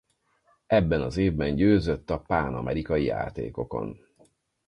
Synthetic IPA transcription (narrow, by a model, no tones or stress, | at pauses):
ɛbːɛnɒzeːvbɛɲɟøːzøt̪ːɒpaːnɒ̰mʔɛɾikɒjija̰ːt̪ḛːko̞ko̞̰n